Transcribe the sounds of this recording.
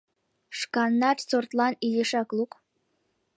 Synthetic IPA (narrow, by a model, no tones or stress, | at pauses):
ʂkɑnːɑtsort̪lˠɑnilʲeʃæklˠuk